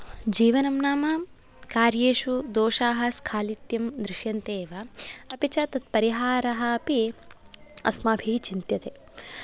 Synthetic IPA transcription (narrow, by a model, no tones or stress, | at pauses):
d͡ʒiːʋɐnɐmnaːmaː | kaːɾjeːʃud̪oːʃaːɦɐskʰaːlit̪jɐmd̪ɾɪʃjɐnt̪eːʋaɐpit͡ʃɐt̪ɐt̪̚pɐɾiɦaːɾɐɦɐːpi | ɐ̰smaːbʱit͡ʃint̪jɐt̪eː